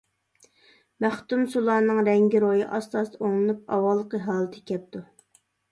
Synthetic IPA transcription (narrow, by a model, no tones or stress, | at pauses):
mæχt̪umsulˠɑːnɨŋɾɛŋɡʲiɾojiʔɑst̪ɑst̪oŋlˠɨnup̚ɑ̰wɑlˠːəqəɦɑːlˠət̪ʰɪ̥kʲɛp̚t̪ʰu